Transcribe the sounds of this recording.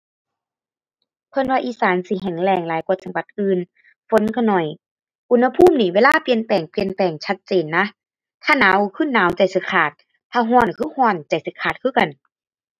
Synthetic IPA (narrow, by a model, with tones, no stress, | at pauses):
kʰɯ˧ə˨nwaː˧ʔiː˧˦saː˨˦nsi˧˦ɦɛ˨˩ŋlɛː˧˩ŋlaː˨˦jku˧˩t̪̚sa˧˦ba˧˦t̪̚ʔɯː˧n | fo˨˦nkʰa˧˩nɔ˨˩j | ʔu˧nha˧pʰuː˥˨mniː˧˩˨weː˧˨laː˥˨pi˧˨ənpɛː˨˩ŋpi˧˨ənp̪ɛː˨˩ŋt͡ɕʰa˦˧˥t̪̚t͡ɕeː˨nːa˧˥ | t̪ʰaː˧˨naː˨˦wkʰɯː˧˥˨naː˨˦wt͡ɕa˨˩jsɯ˧˦kʰaː˧˩t̪̚ | t̪ʰaː˧ɦɔː˧˥˨nkʰɯː˧˥˨hɔː˧˩nt͡ɕa˨˩jsi˧˦kʰaː˨˩t̪̚kʰɯː˧˥˨ka˧˨n